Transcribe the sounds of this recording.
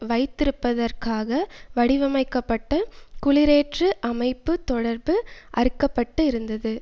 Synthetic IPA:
ʋɐɪt̪ːɪɾɯpːɐðɐrkaːɣɐʋɐɽɪʋɐmɐɪkːɐpːɐʈːɐkʊɭɪɾeːʈrɯʔɐmɐɪpːɯt̪ɔɽɐɾbɯʔɐɾɯkːɐpːɐʈːɯɪɾɯnd̪ɐðɯ

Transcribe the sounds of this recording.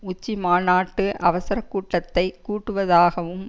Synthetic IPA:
ʊt͡ʃːimaːnaːʈːɯʔɐʋɐsɐɾɐkːuːʈːɐt̪ːɐɪkːuːʈːɯʋɐðaːɣɐʋɯm

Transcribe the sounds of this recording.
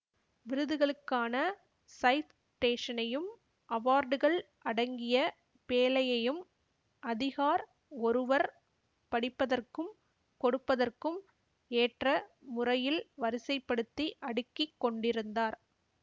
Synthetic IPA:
ʋɪɾɯðɯɣɐɭɯkːaːnɐ | sɐɪt̪ | ʈeːʂɐnɐjɯm | ʔɐʋaːɾɖɯɣɐɭ | ʔɐɽɐŋɡɪjɐ | peːlɐjɐjɯm | ʔɐðɪɣaːɾ | ɔɾɯʋɐɾ | pɐɽɪpːɐðɐrkɯm | kɔɽɯpːɐðɐrkɯm | eːʈrɐmʊrɐjɪlʋɐɾɪsɐɪpːɐɽɯt̪ːiʔɐɽɯkːɪkːɔɳɖɪɾɯnd̪aːɾ

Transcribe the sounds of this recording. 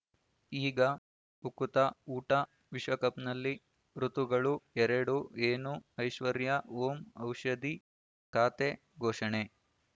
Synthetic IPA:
iːɡɐ | ukut̪ɐuːʈɐ | ʋiʃʋɐkɐpnɐlːi | ɾut̪uɡɐɭuɛɾɐɽueːnuɐjʃʋɐɾjɐoːmɐwʃɐd̪i | kaːt̪e | ɡʱɔːʃɐɳe

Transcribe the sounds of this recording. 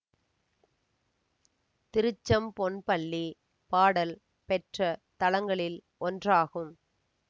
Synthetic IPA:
t̪ɪɾɯt͡ʃːɐmpɔnpɐɭːi | paːɽɐl | pɛʈrɐt̪ɐlɐŋɡɐɭɪl | ɔndraːɣɯm

